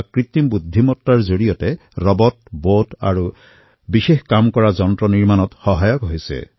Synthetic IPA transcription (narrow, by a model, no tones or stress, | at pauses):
kɹit̪imbud̪ʱːimɔtːaɹzoɹijɔtɛ | ɹɔbɔt̚bota̰ɹu | bixexkamkɔɹazɔntɹɔniɹmanɔtxɔɦajɔkɦojsɛ̰